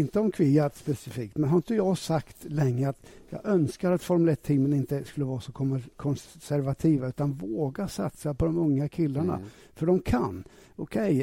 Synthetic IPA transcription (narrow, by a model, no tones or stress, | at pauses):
ɪnt̪əɔmkʰvɪjat̪spɛsɪfiːk̚t̪mɛnɦaɾɪnt̪əjɑːɡsakt̪lɛŋːəat̪jɑ̰ːɡœnskaɾat̪fɔɾmɵlɛt̪ʰːiːmːənɪnt̪əskɵlːəvɑːɾasɔkʰɔkʰɔnsæɾvat̪ʰiːvaʉ̟ːt̪anvoːɡasa̰t̪sapɔd̪ɔmɵŋːakʰɪlːaɳa̰ | fœɖɔmkʰanːɔkʰɛj